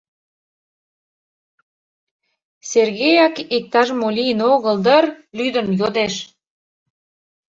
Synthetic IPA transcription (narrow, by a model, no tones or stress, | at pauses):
serɣejɑkik̚t̪ɑʒmolʲiənoɣəld̪ərlyd̪ənjod̪eʃ